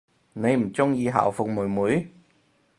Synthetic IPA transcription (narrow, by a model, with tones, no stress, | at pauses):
ne˨˧jm̩˨˩t͡sʊ˥ŋjiː˨˧ɦa̰ː˨˩wfʊ˨k̚muː˨˩jmuː˨˥j